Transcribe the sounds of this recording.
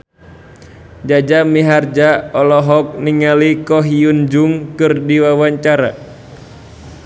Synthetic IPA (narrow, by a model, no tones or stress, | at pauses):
d͡ʒad͡ʒamiɦard͡ʒaɔlɔɦɔk̚niŋalikɔɦiund͡ʒuŋkɨrdiwawaɲt͡ʃaɾa